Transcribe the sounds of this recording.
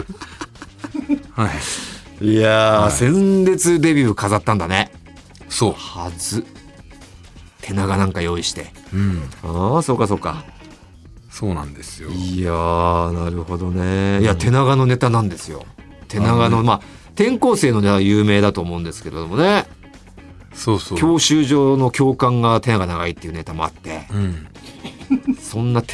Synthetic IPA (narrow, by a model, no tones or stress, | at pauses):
h | ijasẽ̞nd̪e̞t͡sɨd̪e̞bʲɨːkazat̪ːãnd̪ane̞ | so̞ːhazɨ | t̪ʰe̞naɡanãŋkajo̞iɕi̥t̪e̞ | aso̞ːkːaso̞ːkːa | soːnã̰nd̪esɨjoanaɾɯ̟ho̞d̪o̞ne̞iat̪e̞naɡano̞ne̞t̪anãnd̪e̞sɨjo̞̰ | t̪ʰe̞naɡano̞maː | t̪ẽ̞ŋko̞ːse̞ːno̞ne̞t̪ajɯːme̞ːd̪at̪oːmo̞ɯ̃nd̪e̞sɨ̥ke̞ɾe̞d̪o̞mo̞ne̞ | soːsokʲʰo̞ːɕɨːʑo̞ːno̞kʲo̞ːkãŋɡat̪e̞naɡanaɡait̪ːeiɯ̟ne̞t̪amo̞a̰t̪ːe̞ | sõ̞nːat̪